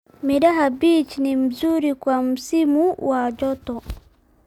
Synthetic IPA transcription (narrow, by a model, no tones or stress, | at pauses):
miɾaɦabiːt͡ʃinimuzuɾikwamusimuwaɟɔtɔ